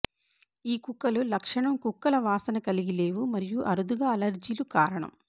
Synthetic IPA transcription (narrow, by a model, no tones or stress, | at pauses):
iːkukːɐlulɐkʂɐɳɐmkukːɐlɐʋaːsɐnɐkɐliɡile̞ːʋumɐɾijuʔɐɾud̪uɡaːɐlɐɾd͡ʒiːlukaːɾɐɳɐ̰m